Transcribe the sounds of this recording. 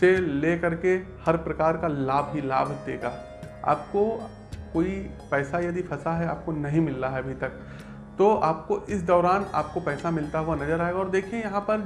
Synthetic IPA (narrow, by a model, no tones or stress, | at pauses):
selekɐɾke | hɐɾpɾɐkaːɾkalaːbʱɦila̰ːbʱd̪eːɡaː | a̰ːp̚ko | koːipɛːsajɐd̪ifʰɐsaɦɛaːp̚konɐɦĩmɪlːaɦɛɐbʱit̪ɐk̚ | t̪oːaːp̚koʔɪs̬d̪ɔːɾaːna̰ːp̚kopɛːsamɪlt̪aɦuwanɐzəɾaːeɡaɔːɾd̪eːkʰẽjɐɦãpɐɾ